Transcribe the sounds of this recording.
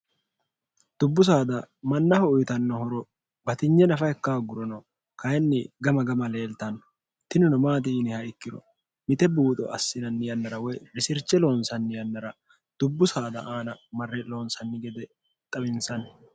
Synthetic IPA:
d̪̥ʊbːʊs̬aːd̪ɐmɐnːɐhɔʊjt̪ɐnːɔhɔɾɔ | bɐt̪ɪɲːɛnɐfɐjɛkːaːɡʊɾɔnɐ | kɐjɛnːɪɡɐmɐɡɐmɐle̞ːlt̪ɐnːɔ̥ | t̪ɪnʊnʊmaːt̪̬ɪːnɪhɐɪkːɪɾɔ̰ | mɪt̪ɛbuːt̪ʼɔ̰ʔɐsːɪnɐnːɪjɐnːɐɾɐwɔjɾɪsɪɾt͡ʃːɛlo̞ːnsɐnːɪjɐnːɐɾɐ | d̪̥ʊbːʊsaːd̪ɐ̰ʔaːnɐmɐrːɛlo̞ːnsɐnːɪɡɛd̪ɛ | t̪ʼɐbɪnsɐn

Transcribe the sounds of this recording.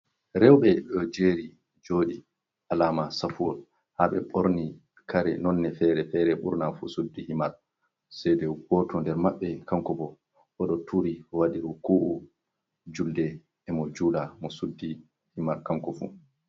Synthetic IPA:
ɾɛwɓɛɗɔd͡ʒeːɾi | d͡ʒoːɗi | ʔalaːmasafuɔl | haɓɛɓoɾni | kaɾɛ̰nɔnːɛfɛɾɛfɛɾɛɓṵɾnafṵsudːihimal | sɛdɛɡɔtʰɔndɛɾmaɓːɛkaŋkɔbɔ | ʔɔɗɔtʰuɾiwaɗiɾukuʔu | d͡ʒuldɛː | mɔd͡ʒulamɔsudːi | himaɾkaŋkɔfṵ

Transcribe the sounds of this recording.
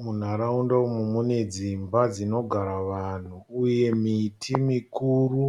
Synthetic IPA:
mun̤aɾaundaumumune̞d͡zimbad͡zino̞ɡʱaɾaʋan̤uːje̞mitʰimikuːru

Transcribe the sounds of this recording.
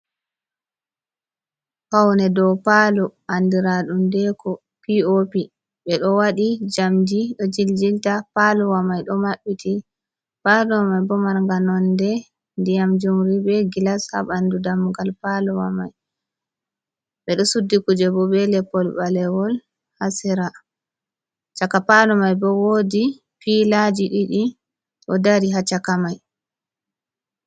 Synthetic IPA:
hawnɛdɔwpalɔʔandiɾaɗundɛkɔ | piopi | ɓɛɗɔwaɗid͡ʒamd͡ʒiɗɔd͡ʒild͡ʒiltapalɔwamajɗɔmaɓːiti | palɔwamajbɔmaɾŋɡanɔndɛ | ndijamd͡ʒumɾibɛɡilasha̰ɓandudamɡalpalɔwa̰ma̰j | bɛɗɔsudːikud͡ʒɛbɔbɛlɛpɔlbalɛwɔl | hasɛɾa | t͡ʃakapalɔmajbɔwodi | pilad͡ʒiɗiɗi | ʔɔdaɾiɦat͡ʃakamaj

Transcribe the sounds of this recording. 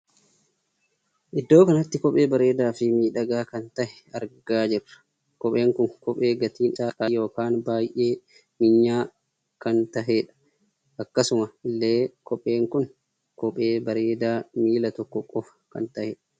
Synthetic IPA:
ʔɪd̪ːo̞ːkɐnɐt̪ːɪkɔpʼeːbɐɾeːd̪aːfɪmiːᶑɐɡaːkɐnt̪ɐhɛ | ɐɾɡaːd͡ʒɪrːɐ̥ | kɔɓʼeːŋkʊŋkɔpʼeːɡɐt̪iːnsaːkʼajo̞ːkaːnbaːjʔeː | mɪɲːaː | kɐnt̪ɐɦeːᶑɐ̥ | ʔɐkːɐsʊmɐɪlːeːkɔpʼeːŋkʊn | kɔɓʼeːbɐɾeːd̪aːmiːlɐt̪ɔkːɔkʼːɔf | kɐ̰nt̪ɐhɛᶑɐ

